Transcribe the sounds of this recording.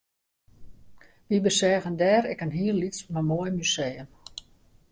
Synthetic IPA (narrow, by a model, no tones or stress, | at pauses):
ʋibəsɛːɣəndɛːɾɛkənɦiərlitsmamojmysejəm